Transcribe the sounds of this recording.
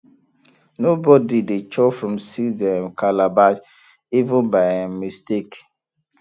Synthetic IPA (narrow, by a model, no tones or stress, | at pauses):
nobɔdidet͡ʃɔfɹɔ̃msidɛ̃mkʰalaba | ivə̃nbaɛmistek